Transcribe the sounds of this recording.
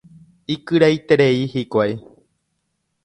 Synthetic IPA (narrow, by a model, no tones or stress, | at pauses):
ikɨɾajt̪eɾe̞ihikʷaj